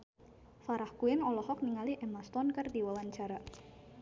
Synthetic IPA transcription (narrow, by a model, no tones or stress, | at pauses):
faɾahkuɪnɔlɔhɔk̚niŋaliʔɛmast̪ɔnkərdiwawaɲt͡ʃaɾa